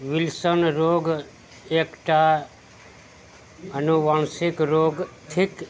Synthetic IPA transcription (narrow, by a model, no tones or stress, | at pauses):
ʋɪlsənɾoːɡ | eːkʈa | ənuʋaːnsɪkɾoːɡʈʰɪk